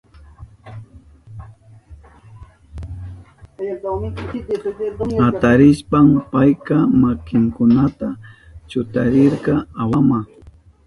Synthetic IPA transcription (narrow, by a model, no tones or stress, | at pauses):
hat̪aɾɪʃpampajkamakɪŋkʊnat̪a | t͡ʃʊt̪aɾɪɾqɑawama